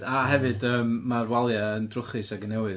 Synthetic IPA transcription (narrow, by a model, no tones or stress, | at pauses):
aɦɛvɨdəːmːarwalˠjaəndrʊχɨsaɡənɛwɨð